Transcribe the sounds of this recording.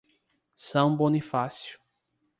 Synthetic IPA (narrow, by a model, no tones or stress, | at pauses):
sɐ̃w̃bõnifasjʊ̥